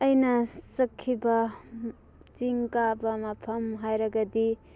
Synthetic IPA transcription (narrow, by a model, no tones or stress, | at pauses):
ɐjnɐsɐkʰːibɐ | t͡ʃiŋkabɐmɐpʰɐmɦajɾɐɡɐdi